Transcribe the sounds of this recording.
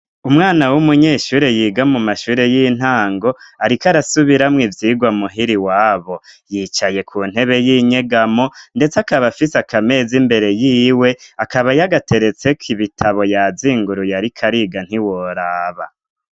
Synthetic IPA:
umŋaːnawumuɲeːʃuːɾe̞jiːɡamumaʃuːɾe̞jin̥haːŋɡo̞aɾikaɾasuβiɾamŋivjiːɡwamuɦiɾiwaːβo̞jiːt͡ʃaje̞kʰuːn̥he̞βe̞jiɲe̞ɡamo̞nde̞t͡sakaβafisakʰame̞ːzimbe̞ɾe̞jiːwe̞akaβajaɡatʰe̞ɾe̞t͡se̞kʰiβitʰaβo̞jaziːŋɡuɾujaɾikʰaɾiɡan̥hiwoɾaːβa

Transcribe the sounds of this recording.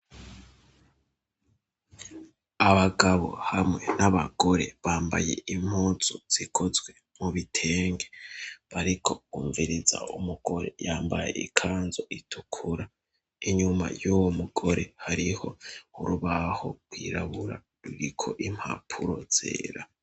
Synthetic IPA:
aβaɡaβo̞̰hamŋe̞naβaɡ̥o̞ɾe̞βaːmba̰je̞̰im̥huːzoz̥ikʰo̞zwe̞ | muβitʰe̞ːŋɡe̞̥βaɾikʰo̞ɡuːɱviɾiza̰umuɡ̥o̞ɾe̞̰jaːmbajḛʔḭkʰaːnzo̞ʔitʰukʰuɾa | iɲuma̰jowomuɡo̞ɾe̞haɾiho̞uɾuβaho̞ɡwiːɾaβuɾa | ɾuɾikʰo̞̰ʔim̥ha̰pʰuɾo̞z̥ḛːɾa

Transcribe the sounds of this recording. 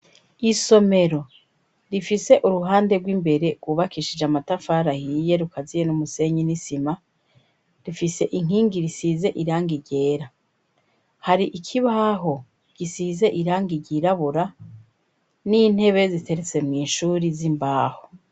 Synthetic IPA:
iso̞me̞ɾo̞ | ɾifise̞ʔuɾuɦaːnde̞ɡwiːmbe̞ɾe̞ɡwuβakiʃid͡ʒamatafaːɾahije̞ɾukazijenumuse̞ɲinisima | ɾifise̞ʔiŋ̥iːŋɡiɾisiːze̞ʔiɾaːŋɡiɟe̞ːɾa | haɾiʔikʰiβaɦo̞ | ɡ̥isiːze̞ʔiɾaːŋɡiɟiɾaβuɾa | niːn̥he̞βe̞zite̞ɾet͡se̞mŋiːnʃuːɾizimbaːho

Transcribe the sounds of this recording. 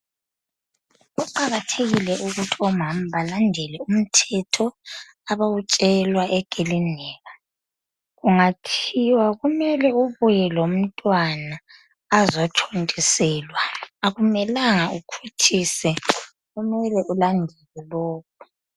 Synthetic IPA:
uǃaɣatʰeɣilɛʔuɣutʰiɔm̤am̩βalandʱɛlɛum̩tʰɛtʰɔ | aβawut͡ʃʼɛlwaʔɛɡ̥ʱilinɛːɣa | ɣuŋatʰiwaɣumɛlɛuβujɛlom̩tʼwanaː | zɔt͡ʃʰontʼisɛlwaːɣumɛlaŋaukʰutʰisɛ | ɣumɛlɛʔulandʱɛlɛlɔːk̚ʰu̥

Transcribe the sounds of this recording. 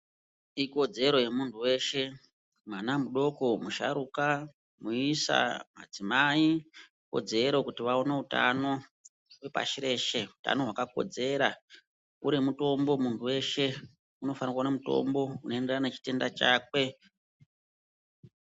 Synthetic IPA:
iko̞d͡ze̞ɾo̞je̞muntʰuwe̞ːʃe̞ | mwanamuɗo̞ko̞muʃa̰ɾuka | muisa̰ma̰d͡zimai | ko̞̰d͡ze̞ɾo̞kutiʋaoneuta̰no̞ | ɦwe̞pa̰ʃiɾe̞ʃe̞uta̰no̞ɦwakako̞̰d͡ze̞ɾa | uɾimuto̞mbo̞muntuwe̞ʃe̞ | uno̞fanikwaunamuto̞̰mbo̞unoe̞nde̞ranet͡ʃi̥te̞ndat͡ʃa̰ːk̚we̞

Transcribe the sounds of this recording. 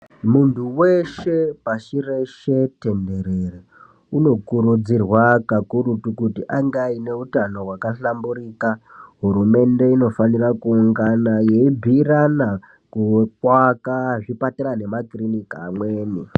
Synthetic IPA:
muntʰuwe̞ʃe̞paʃire̞ʃe̞te̞nde̞ɾere | uno̞kuɾud͡zirwakakuɾutukutiʔaŋɡaine̞utano̞ɦwakaɬamburiːkaɦuɾume̞nde̞ino̞fanirakuuŋɡanaje̞ibʱirana | kukwakaʐipateɾane̞makrinikamweːni

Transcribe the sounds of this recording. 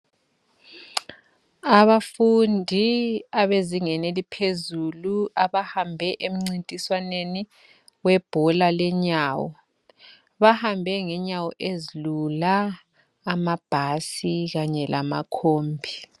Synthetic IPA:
aβafundʱiaβeziŋɛnelipʰezuluaβahambʱɛʔem̩ŋ͡ǀintʼiswaneni | wɛb̥ʱɔlalɛɲaːwɔ | βahambʱɛŋɛɲawɔʔezilulaː | mab̥ʱasiɣaɲɛlʔa̰ma̰kʰoːmbʱi

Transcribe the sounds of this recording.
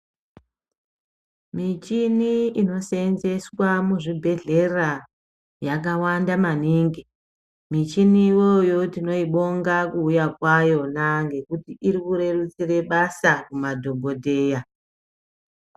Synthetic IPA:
mit͡ʃiniino̞senze̞swamuʐibʱe̞ɮe̞ra | jakawandamaniːŋɡi | mit͡ʃiniːwo̞jo̞tino̞iɓo̞ŋɡakuːjakwajo̞naŋɡe̞kutiiɾikuɾe̞rut͡sire̞ɓasakumadʱo̞bʱo̞dʱe̞ːja

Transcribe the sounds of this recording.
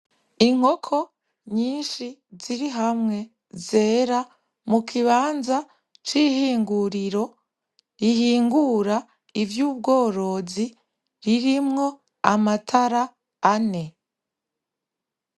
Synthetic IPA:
iŋ̥o̞kʰo̞ | ɲiːnʃiziɾiɦamŋe̞ | ze̞ːɾa | mukʰiβaːnza | t͡ʃiːhiːŋɡuɾiɾo̞ | ihiːŋɡuɾa | ivjuːb̚ɡo̞ːɾo̞zi | ɾiɾimŋo̞ | amatʰaɾaː | ne̞

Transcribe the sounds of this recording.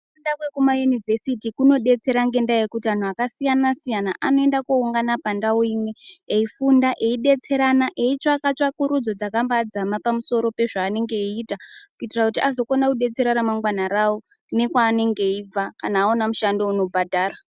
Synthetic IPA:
undakwekumajunivʱesitikuno̞ɗe̞t͡se̞ɾaŋɡe̞ndajekutian̤uakasijanasijana̰ʔano̞e̞ndakuuŋɡanapandaoimweeifundaʔe̞iɗe̞t͡se̞ɾanaʔe̞it͡ʃoakat͡ʃakuɾud͡zo̞d͡zakambaːd͡zamapamuso̞ɾo̞pe̞ʐaːne̞ŋɡe̞iːtakuitirakutiazo̞konakuɗe̞t͡se̞ɾaɾamaŋɡwanaɾao | ne̞kwaːne̞ŋɡe̞ib͡vakanaːonamuʃando̞uno̞bʱadʱaːra

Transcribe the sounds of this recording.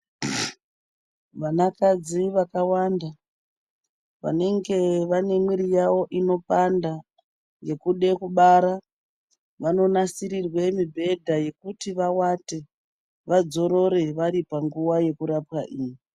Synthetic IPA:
ʋanakad͡ziʋakawanda | ʋa̰ne̞ŋɡe̞ʋane̞mwiɾijawo̞ʔino̞panda | je̞kuɗe̞kuɓaɾa | ʋano̞nasiɾirwe̞mibʱe̞dʱaje̞kutiʋawate | ʋad͡zo̞ɾo̞ɾe̞ʋaɾipaŋɡuwaje̞kuɾapwaʔiːji

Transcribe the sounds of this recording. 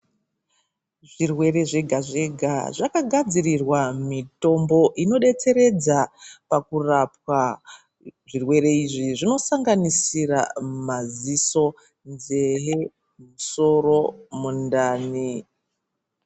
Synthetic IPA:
ʐirwe̞re̞ʐe̞ɡʱaʐe̞ɡʱa̰ʐakaɡʱad͡zirirwamito̞mbo̞ʔino̞ɗe̞t͡se̞ɾed͡zapakurapwa | ʐirwe̞re̞iʐiʐino̞saŋɡanisira̰maziso̞ | nzeɦe | muso̞ro̞mundaːni

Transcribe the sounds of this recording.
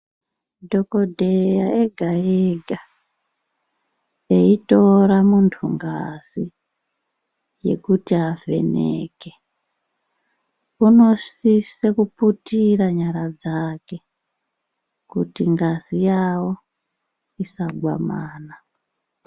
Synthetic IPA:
dʱo̞kodʱejaeɡʱaeɡʱa | eito̞ɾamuntʰuŋɡa̰z̥i | je̞̰kutiɦave̞̰nḛːke | uno̞sisekuputiraɲaɾad͡zake̞ | kutiŋɡazijawo̞ | isaɡʱwa̰maːna

